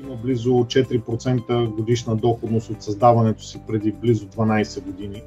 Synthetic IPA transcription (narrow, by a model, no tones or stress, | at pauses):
imɐblizot͡ʃɛt̪iɾipɾot̪sɛnt̪əɡod̪iʃnəd̪ɔxod̪nost̪ot̪sɐzd̪avɐnɛt̪o̥sipɾɛd̪iblizod̪vɐnajsɛɡod̪ini